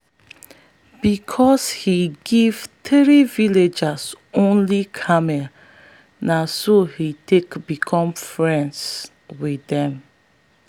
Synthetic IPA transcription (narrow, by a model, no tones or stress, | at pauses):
b̥ikʰɔshiɡivtɹiviled͡ʒas | õnlikʰamea | nasohitekbikʰɔ̃mfɹɛ̃ns | widɛ̃m